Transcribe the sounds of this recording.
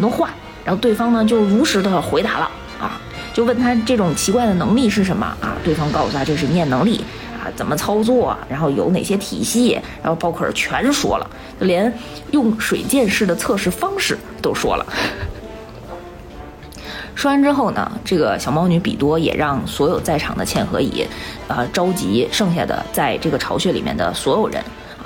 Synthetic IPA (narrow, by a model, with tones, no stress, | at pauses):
t̪wɔ˥xwa˥˩n | ɻa˧˥n˥xo˥˧ʊt̪we˥˩ɪfɑ˥ŋnə˨t͡ɕjo˥˩ʊɻu˧˥ʂɻ̩˧˥d̪ə˧xwe˧˥ɪt̪a˧˥lə̰˧ | ɐ̰˧˩ | t͡ɕjo˥˧ʊwə˥˩nt̪ʰa˥ʈ͡ʂɤ˥˩ʈ͡ʂʊ˨˩ŋt͡ɕʰi˧˥kwa˥˩ɪd̪ə˩nɤ˧˥ŋli˥˧ʂ̬ɻ̩˥˩ʂə˧˥nmə̰˧ɐ̰˧t̪we˥˩ɪfɑ˥ŋkɑ˥˩ʊsu˨˩a˥t͡ɕo˥˧ʊʂ̬ɻ̩˥˧njɛ˥˩nɤ˧˥ŋli˥˩ | ɐ̰˧t͡sə˨˩nmə˦t͡sʰɑ˥ʊt͡swɔ̰˥˩ɻa˧˥nxo˥˩ʊjo̰˧˩ʊne˨˩ɕjɛ˥t̪ʰḭ˨˩ɕi˥˩ɻa˧˥xo˥˧ʊpɑ˥kʰɔ˥˩ə˞˨˩t͡ɕʰɥɛ˧˥nʂwɔ̰˥lə̰˩ | t͡ɕjo˥˩ʊljɛ˧˥n | jʊ˥˩ŋʂwe˨˩ɪt͡ɕjɛ˥˧nʂɻ̩˥˩d̪ə˩t͡sʰɤ˥˧ʂɻ̩˥˩fɑ˥ŋʂɻ̩˥˩ | t̪o˥ʊʂwɔ̰˥lə̰˨˩ | ʂwa˥nʈ͡ʂɻ̩˥xo˥˩ʊnə̰˩ʈ͡ʂɤ˥˩ɡə˩ɕjɑ˨˩ʊmɑ˥ʊny˧˥pḭ˨˩t̪wɔ˥jɛ̰˨˩ɻɑ˥˩ŋswɔ˧˥jo˨˩ʊt͡sa˥˩ɪʈ͡ʂʰɑ̰˨˩ŋd̪ə˦t͡ɕʰjɛ˥˩nxɤ̰˧˥ḭ˨˩˦ | ə˧ʈ͡ʂɑ˥ʊt͡ɕi˧˥ʂɤ˥˧ŋɕ̬ja̰˥˩d̪ə̰˩t͡sa˥˧ɪʈ͡ʂɤ˥˩ɡə˩ʈ͡ʂʰɑ˧˥ʊɕɥɛ˧˥lḭ˨˩mjɛ̰˥˩nd̪ə̰˨˩swɔ˧˥jo˨˩ʊɻə̰˧˥n